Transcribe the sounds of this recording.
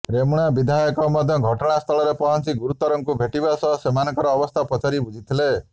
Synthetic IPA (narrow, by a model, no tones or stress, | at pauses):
ɾemuɽ̃abid̪ʱajɔkɔmɔd̪ʱjɔɡʱɔʈɔɽ̃ast̪ʰɔlɔɾepɔɦɔnt͡ʃiɡuɾut̪ːɔɾɔŋkubʱeʈibasɔɦɔsemanɔkɔɾɔːbɔst̪ʰapɔt͡ʃʰaɾibud͡ʒʱit̪ʰile